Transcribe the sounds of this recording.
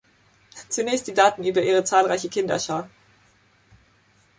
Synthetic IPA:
t͡sunɛːçst̚d̥iːdaːtn̩ʔyːbɐʔiːʁ̞ət͡saːlʁaɪçəkʰɪndɐ̰ʃaː

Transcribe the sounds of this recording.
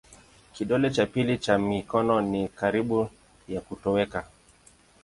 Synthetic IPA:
kiɗɔlɛt͡ʃapilit͡ʃamikɔnɔnikaɾiɓu | jakutɔwɛka

